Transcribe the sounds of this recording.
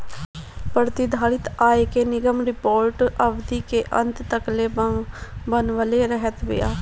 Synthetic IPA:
pəɾt̪ɪd̪ʱaːɽɪt̪aːekeːnɪɡəmɾɪpoːɾʈəbd̪iːkeːʔə̃nt̪t̪əkleː | bənʋəleɾəɦət̪ʋɪ̰ja̰ː

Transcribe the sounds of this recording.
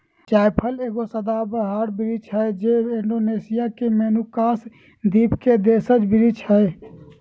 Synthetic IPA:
t͡ʃajpʰəleːɡosəd̪abəɦaɾbiɾit͡ʃʰəjd͡ʒeiɳɖonesijakemenukaːs | d̪ipked̪esəd͡ʒbiɾit͡ʃʰəj

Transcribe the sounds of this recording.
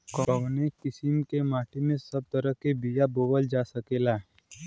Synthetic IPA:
kɔʋnekɪsɪmkemaːʈʰimẽsɐb̚t̪əɾəkebijaboːʋəld͡ʒaːsəkelaːɦɛ

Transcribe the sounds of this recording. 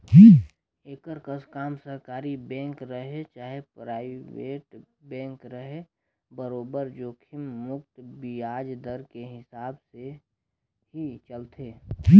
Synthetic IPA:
i | eːkəɾkəskaːmsəɾkaːɾibɛ̃ːkɾəɦet͡ʃaːɦepɾaːɪweːʈbɛ̃ːŋkɾəɦe | bəɾoːbəɾd͡ʒoːkʰɪmːʊkt̪biaːd͡ʒd̪əɾkeɦɪsaːbse | hit͡ʃəlt̪ʰeː

